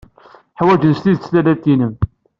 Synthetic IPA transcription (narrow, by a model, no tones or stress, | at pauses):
ħwæd͡ʒənst̪iðt͡sːlælæt̪ːinəm